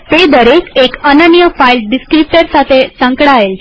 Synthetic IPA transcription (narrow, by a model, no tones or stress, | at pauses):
t̪ed̪əɾekekənanijəfailɖiskɾip̚ʈəɾsat̪ʰesə̃ŋkɽaɦel